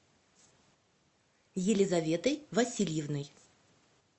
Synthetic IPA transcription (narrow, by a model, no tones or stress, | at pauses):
jɪlʲɪzɐvʲet̪əjvɐsʲilʲjɪvnɨj